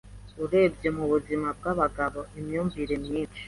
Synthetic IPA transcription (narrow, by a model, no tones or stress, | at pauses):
uɾe̞bɟe̞muβuzimab̚ɡaβaɡaβo̞emjuːɱviɾemɲiːt͡ʃi̥